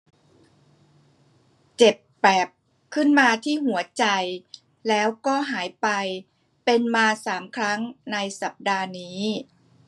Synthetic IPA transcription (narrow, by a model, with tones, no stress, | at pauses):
t͡ɕe˨˩pːɛː˨˩p̚ | kʰɯ˥˩nmaː˧t̪ʰiː˥˩ɦu˩˦ɐt͡ɕa˧j | lɛː˦˥wkɔː˥˩ɦaː˩˦jpa˧j | pe˧nmaː˧saː˩˦mkʰɾa˦˥ŋna˧jsa˨˩p̚daː˧niː˦˥